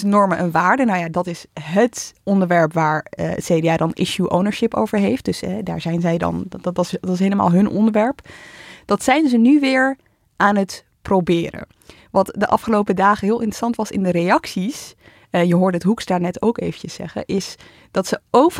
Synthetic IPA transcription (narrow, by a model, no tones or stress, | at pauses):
nɔɹməʔənʋaːɹdənawjadɑtɪsɦətɔndəɹʋɛɹpʋaːɹə̰tseːdeaːdɑnʔɪ̰ʃjuʔo̰wnəɹʃɪpo̰wvəɹɦejft̚d̥ɵsɛda̰ːɹzɛjnzɛjdɑ̰ntɪs̬ɦejləma̰ːlˠɦɵnʔɔ̰ndəɹʋɛɹpd̥ɑtsɛjnzənyʋɪːɹ | ʔaːnɦət | prowbɪːɾə̰ | ʋɑtdəʔɑ̰fχəlowpədaːχəɦɪːlˠɪntrə̥sɑntʋɑsɪ̰ndəɾejɑksis | jəɦʊːɹdəətɦuksdaːɹnɛtowkejvəcəsːɛ̰χə̰ʔɪs | d̥ɑtsəow